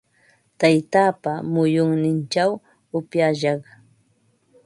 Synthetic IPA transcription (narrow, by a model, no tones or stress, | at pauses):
t̪ajt̪aːpamʊjʊŋnɪnt͡ʃaw | ʊpjaʃɑχ